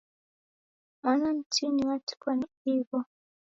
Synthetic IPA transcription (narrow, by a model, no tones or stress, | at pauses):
anan̩tiniwati̥kwaniiβɔ